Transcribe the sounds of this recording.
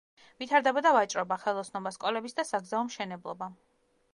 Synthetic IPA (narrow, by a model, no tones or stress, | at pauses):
vit̪ʰaɾd̪ɛbɔd̪avat͡ʃʼɾɔbaχɛlˠɔsnɔbaskʼɔlɛbisd̪asaɡzaɔmʃɛnɛblˠɔ̰ba